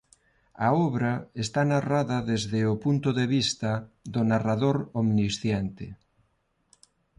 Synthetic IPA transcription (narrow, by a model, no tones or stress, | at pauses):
aɔβɾaest̪anaraðɐðezðeopunt̪ʊðeβist̪aðonaraðoɾomnisθjɛnt̪ɪ